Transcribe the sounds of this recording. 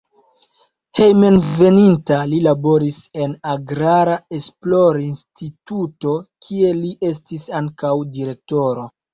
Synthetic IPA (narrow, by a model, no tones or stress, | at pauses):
he̞jmenve̞nintalilabo̞ɾise̞naɡɾaɾae̞splo̞ɾinstituto̞kʰie̞liʔe̞stisaŋkawdiɾe̞k̚to̞ɾo̞